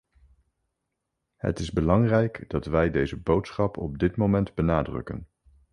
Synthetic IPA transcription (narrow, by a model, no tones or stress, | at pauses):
ɦə̰tɪzbəlɑŋrɛjkd̥ɑtʋɛjdejzəbowtsχɑpʰɔ̰b̚dɪtmowmɛndbənaːdrɵ̰kə̰n